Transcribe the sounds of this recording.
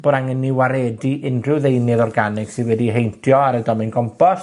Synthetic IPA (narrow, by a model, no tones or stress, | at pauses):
b̥oːɾaŋənːɪwaɾɛdiʔɪndrɪwðejnɨðɔrɡanɪɡ̥sɪnwɛdiɦejntʰjɔaɾədɔmɪnɡɔmpʰɔs